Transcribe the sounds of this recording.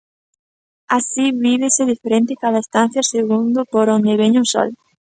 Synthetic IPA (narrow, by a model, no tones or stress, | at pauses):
asiβiβeseðifeɾẽnt̪ɪkaðɐest̪an̟θjaseɣund̪ʊpoɾõnd̪eβeɲusɔ̰l